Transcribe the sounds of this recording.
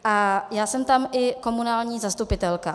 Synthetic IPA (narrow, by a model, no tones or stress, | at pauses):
ʔajaːsɛmt̪amʔɪko̞munaːlɲiːzast̪upɪt̪ɛlka